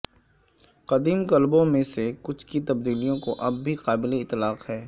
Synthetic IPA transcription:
qɐd̪iːmkɐlbõmẽsekʊt͡ʃʰkit̪ɐb̚d̪iːlijõkoʔɐbːʱiqaːbɪleɪt̪ːlaːqhɛː

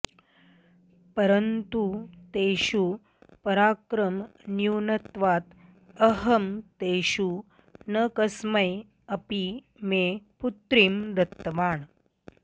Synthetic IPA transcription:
pəɾənt̪ut̪eɕu | pɐɾaːkɾəmnjuwnət̪ʋat̪ | əɦəmt̪eɕu | nəkəsməj | ɐpi | meput̪ɾiːmɾɐt̪ːʋaːɳ

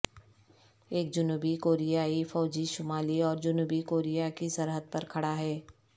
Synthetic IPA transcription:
eːk̚d͡ʒʊnuːbikoːɾijaːifɔːd͡ʒiʃʊmaːliɔːɾd͡ʒʊnuːbikoːɾijakisɐɾɦəd̪̚pɐɾkʰɐɽaɦɛː

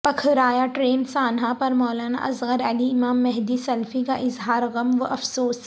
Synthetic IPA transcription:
pɐkʰɾaːjaʈɾeːnsaːnɦãpɐɾmɔːlaːna̰ʔɐzɣəɾəliɪmaːmːɛɦd̪isɐlfikaʔɪzɦaːɾɣɐmʋəʔɐfsoːs

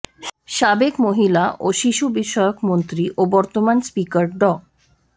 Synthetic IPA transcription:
ʃabekmoɦilaʔoʃiʃubiʃɔjokmont̪ɾiʔobɔɾt̪omanspikaɾɖɔ

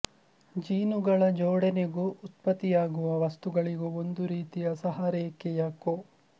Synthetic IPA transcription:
d͡ʒiːnuɡɐɭɐd͡ʒɔːɽɛneɡuʔut̪̚pɐt̪ːijaːɡuʋɐʋɐst̪uɡɐɭiɡuond̪uɾiːt̪ijɐsɐɦaːɾɛːkːejaːko

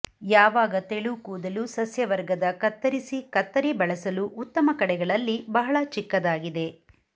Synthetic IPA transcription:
jaːʋaːɡɐt̪eɭukuːd̪ɐlusɐsjɐʋɐɾɡɐd̪ɐkɐt̪ːɐɾisikɐt̪ːɐɾibɐɭɐsɐluʔːt̪ːɐmɐkɐɽɛɡɐɭɐlːibɐɦɐɭɐt͡ʃikːɐd̪aːɡid̪e̞

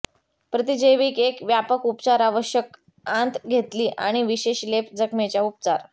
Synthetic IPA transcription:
pɾət̪id͡ʑəjʋiːkekʋjapəkupt͡saɾaʋəɕjək | ant̪ɡʱet̪liːʔa̰ɽ̃iʋiɕeɕlepd͡zəkmet͡ɕjaup̚t͡saɾ

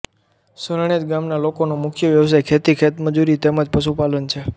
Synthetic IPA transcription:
səɾɳ̃ed͡ʒ̪ɡamnalokonomʊkʰjəʋjəʋs̬ajkʰet̪ikʰet̪məd͡ʒuɾit̪eməd͡ʒpəʃ̬upalənt͡ʃʰe

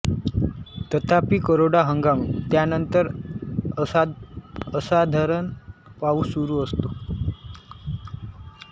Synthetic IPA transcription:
t̪ət̪ʰapiːkəɾoɽaɦəŋɡamit̪janənt̪əɾ | əsad̪ʱaɾənpauːsuɾuːəst̪o

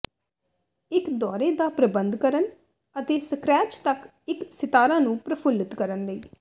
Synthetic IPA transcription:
ɪkd̪ɔːɾeːd̪aːpɾəbənd̪kəɾən | ət̪eːsəkɾɛːt͡ʃt̪ək | ɪksɪt̪aːɾãːnũːpɾəpʰʊlɪt̪kəɾənləiː

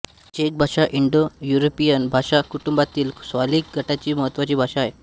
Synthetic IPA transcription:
d͡ʑek̚bʱaʂaʔiɳɖojuɾopijənbʱaʂakuʈumbat̪iːlsʋaliːk̚ɡʱəʈat͡ɕiːməɦət̪ʋat͡ɕiːbʱaʂaːje

